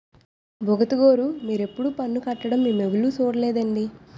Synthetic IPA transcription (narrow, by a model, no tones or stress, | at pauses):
bʱoɡɐt̪ɐɡoːɾumiːɾe̞pːuɽupɐnːukɐʈːɐɽɐmːimːeʋuluːt͡ʃoːɽɐlɛːd̪ɐɳɖi